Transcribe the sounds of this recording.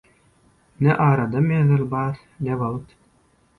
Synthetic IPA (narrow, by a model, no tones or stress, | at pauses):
neʔɑːɾɑd̪ɑmeðɯlbɑːɾ | nebolˠɯt̪